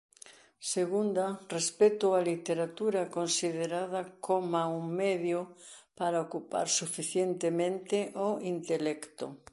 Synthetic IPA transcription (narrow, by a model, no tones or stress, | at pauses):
seɣund̪arespet̪oalit̪eɾat̪uɾɐkonsiðeɾaðɐkʰomauŋmeðjʊpaɾaokupa̰ɾsufiθjent̪emẽnt̪ɪʔoint̪elɛkt̪ʊ̰